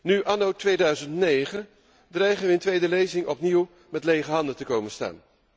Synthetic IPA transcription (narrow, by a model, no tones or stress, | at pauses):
nyʔɑnowtʋejdœɥzəntnejχən | drɛjχənʋəɪntʋejdəlejzɪŋɔpniw | mɛtlejχəɦɑndəntəkowmənsta̰ːn